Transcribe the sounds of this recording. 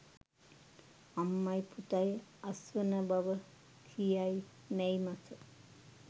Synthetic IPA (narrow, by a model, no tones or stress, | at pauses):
ɐmːɐjput̪ajɐsʋɐnɐbɐʋɐ | t̪ʰijaj | nejmɐsɐ